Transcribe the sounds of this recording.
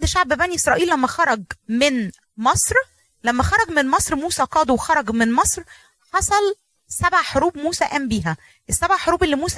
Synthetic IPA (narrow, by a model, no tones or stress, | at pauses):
d̪ʃaʕbbæniʔesɾˤɑːʔiːlːæmːæxɑɾˤɑɡmen | mɑsˤɾ | læmːæxɑɾˤɑɡmenmɑsˤɾmuːsæqɑːd̪ˤuwxɑɾˤɑɡmenmɑsˤɾ | ħɑsˤɑl | sæbʕaħoɾuːbmuːsæʔæːmbiːɦæ | ʔesːæbʕaħoɾuːbʔelːimuːs